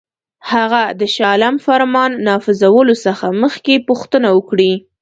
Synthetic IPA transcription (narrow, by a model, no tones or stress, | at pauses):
haɣad̪əʃɑlamfaɾmɑnːɑfɪzawəlosəxaməxkepʊxt̪ənawəkɽi